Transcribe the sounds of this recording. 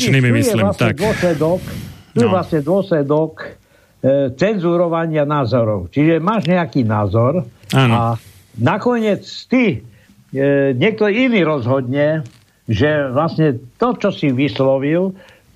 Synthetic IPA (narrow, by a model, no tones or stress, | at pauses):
niimijɛlast̪ɲɛd̪ɔslɛd̪ɔkt̪ujɛʋlasɲɛd̪ʊɔslɛd̪ɔk | t͡sɛnzuɾɔʋaɲɪanaːzɔɾɔʊt͡ʃiʒɛmaːʒɲɛakiːnaːzɔɾaa | nakɔɲɪɛt͡st̪i | ɲɛk̚t̪ɔiniːɾɔzɦɔd̪ɲɛ | ʒɛʋlasɲɛt̪ɔt͡ʃɔsiʋislɔʋil